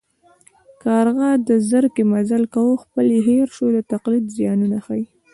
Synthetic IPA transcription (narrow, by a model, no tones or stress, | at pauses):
kɑɾɣɑd̪əzəɾkemazalkawoxpəleɦeɾʃod̪ət̪aqlid̪zjɑnunaxaj